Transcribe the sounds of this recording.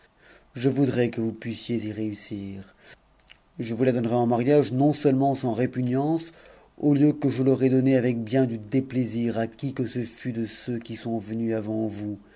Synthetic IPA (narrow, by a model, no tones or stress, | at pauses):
ʒəvud̪ʁɛkəvupɥisjeziʁeysiːʁ | ʒəvulad̪ɔnʁɛɑ̃maʁjaʒnɔ̃sœlmɑ̃sɑ̃ʁepynjɑ̃s | oljøkəʒəlɔʁɛd̪ɔneavɛk̚bjɛ̃d̪yd̪epleziʁakʲikəsəfyd̪əsøkʲisɔ̃vənyavɑ̃vu